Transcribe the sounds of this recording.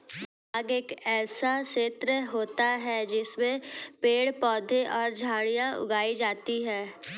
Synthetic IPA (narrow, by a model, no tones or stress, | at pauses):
aːɡeːkɛːsaʃeːt̪ɾəɦoːt̪aɦɛd͡ʒɪsmẽpeːɽpɔːd̪ʱẽʔɔːɾd͡ʒʱaːɽijãʔʊ̰ɡaːid͡ʒaːt̪iɦɛː